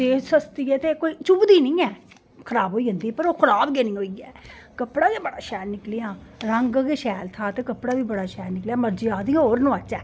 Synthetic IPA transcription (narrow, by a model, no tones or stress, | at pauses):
d̪eːsəst̪iːɛːt̪eːkoːiːt͡ʃʊbd̪iːnĩːɛː | kʰəɾaːboːiːɦʊ̃nd̪iːpəɾoːkʰəɾaːbɡeːnĩːɦoːiːɛː | kəpɽaːdeːbəɽaːʃɛːnɪklɪjãːɾəŋɡɡeːʃɛːlt̪ʰaːt̪eːkəpɽaːʋiːbəɽaːʃɛːnɪkljaːməɾd͡ʒiːaːd̪iãːɦoːɾnõːət͡ʃːɛː